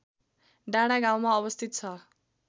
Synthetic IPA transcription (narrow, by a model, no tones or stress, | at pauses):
ɖaɽ̃aɡãw̃maʌbʌst̪ʰit̪̚t͡sʰʌ